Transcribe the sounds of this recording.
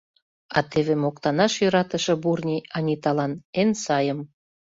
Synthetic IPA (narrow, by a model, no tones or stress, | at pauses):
ɑ̰t̪ʰeβemokt̪ɑnɑʃjøɾɑt̪əʃɤ̆burnʲiɑnʲit̪ɑlɑnensɑjəm